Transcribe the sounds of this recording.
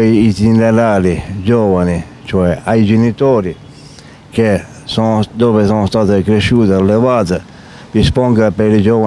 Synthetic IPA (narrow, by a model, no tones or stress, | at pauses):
jːt̪ineɾaːlid͡ʒɔːvani | t͡ʃoɛajd͡ʒenit̪ɔːɾi | k̟e | sɔnod̪ɔːvesɔnost̪aːt̪ɪkɾeʃːuːt̪ɪalːevaːt̪ɪ | d̪ispɔŋɡapeɾid͡ʒɔːva